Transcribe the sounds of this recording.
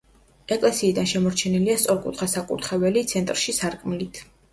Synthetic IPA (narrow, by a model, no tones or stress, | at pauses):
ɛkʼlɛsiːd̪anʃɛmɔɾt͡ʃʰɛniliast̪sʼɔɾkʼṵt̪ʰχasakʼṵɾt̪ʰχɛvɛlit̪sʰɛnt̪ʼɾʃisaɾkʼmilit̪ʰ